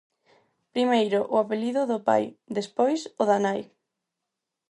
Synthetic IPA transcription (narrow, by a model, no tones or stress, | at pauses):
pɾimejɾʊʔʊapeliðʊðʊpa̰jd̪espojsʊðanaj